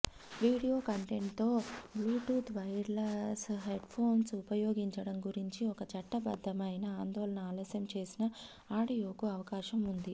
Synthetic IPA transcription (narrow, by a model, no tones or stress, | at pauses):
ʋiːɽijoːkɐɳʈeɳʈt̪ːo̞ːbluːʈuːt̪ʰʋɐjɾlɐsɦeɖpʰoːnsupɐjoːɡiɲt͡ʃɐɽɐmɡuɾiɲt͡ʃiɔkɐt͡ʃɐʈːɐbɐ̰d̪ʱːɐmɐjnɐaːnd̪ɔːlɐnɐaːlɐsjɐmt͡ʃe̞ːsinɐ | aːɽijoːkuɐʋɐkaːʃɐmund̪i